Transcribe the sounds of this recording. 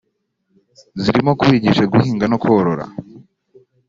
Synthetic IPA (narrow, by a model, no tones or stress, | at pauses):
ziɾimo̞kuβiɟiʃaɡuhiːŋɡanokuhoɾoɾa̰